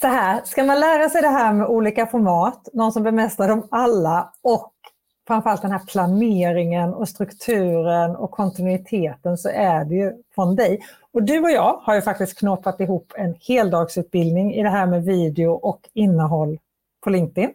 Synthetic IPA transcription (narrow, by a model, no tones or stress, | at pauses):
sɔɦæːɾʂkamanlæːɾasɛjd̪ɛɦæːɾmɛʔuːliːkafɔɾmɑːt̪nɔnsɔmbɛmɛst̪ad̪əɔmalːaɔk | fɾamfœɾalt̪̚d̪ɛnæːɾpʰlaneːɾɪŋənɔst̪ɾɵkt̪ʰʉ̟ːɾənɔ̰kʰːɔnt̪ɪnʉɪt̪ʰeːt̪ənsɔʔæɖɛjɵfɾɔnd̪ɛj | ɔd̪ɵɔjɑːɡhaɾjɵfakt̪ɪst̪̚kʰnɔːpːat̪ɪɦuːpːɛnheːld̪ɑːɡsʉ̟ːt̪̚bɪld̪nɪŋɪd̪ɛɦæːɾmɛviːd̪ɛʊʔɔkɪnːəɦɔlː | pʰɔlɪŋk̚t̪ɪn